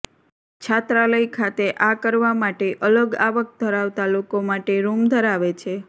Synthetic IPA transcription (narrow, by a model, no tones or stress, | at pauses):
t͡ʃʰat̪ɾaləikʰat̪eʔakəɾʋamaʈeʔələɡaʋək̚d̪ʱəɾaʋt̪alokomaʈeɾumd̪ʱəɾaʋet͡ʃʰe